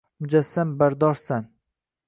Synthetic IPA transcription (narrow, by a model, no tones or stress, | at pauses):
mʊd͡ʒasːambaɾd̪ɒɾsan